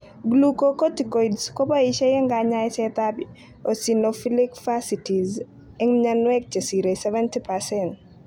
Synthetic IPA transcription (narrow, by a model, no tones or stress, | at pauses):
ɡlukokotikojdskobaiʃɛjɛŋɡaɲaɛsɛt̪abi | osinofilikfasitiz | ɛŋɲanwɛk̚t͡ʃɐsiɾesɛvɛntipasɛnt